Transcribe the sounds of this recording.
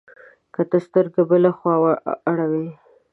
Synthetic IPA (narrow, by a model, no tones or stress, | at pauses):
kat̪əst̪əɾd̪əbəlaxwɑwaaɽawi